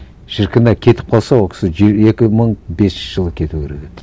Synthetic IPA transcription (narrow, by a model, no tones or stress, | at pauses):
ʒ̥ɪɾkʰʲɪnɑkʲʰe̞t̪ɪ̥p̚qʰɑlˠsɑwokʰʲɪ̥sɪʒe̞kʲɪməɴbe̞sʃʒ̥əlˠəkʲʰe̞t̪uɡʲeɾed̪ʲe